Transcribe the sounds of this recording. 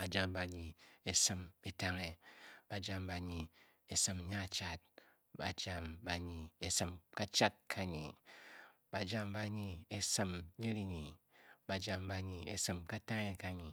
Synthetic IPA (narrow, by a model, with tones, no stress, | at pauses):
ba˨d͡ʒa˦mba˨ɲi˨e˨sɨ˦me˦ta˦ŋe˨b̥a˨d͡ʒa˦mba˨ɲi˨ | e˨sɨ˦m˦ɲa˦˨t͡ʃa˦t̚ | ba̰˨d͡ʒa˨mba˨ɲi˨e˦sɨ˨mka˦t͡ʃa˦t̚kʰa˦ɲi˨ | b̥a˨d͡ʒa˦mba˦ɲi˨e˦sɨ˦mɲe˦ɾi˨ɲi˨ba˨d͡ʒa˦mba˨ɲi˨e˨sɨ˦mka˦ta˦ŋe˦ka˦ɲi˨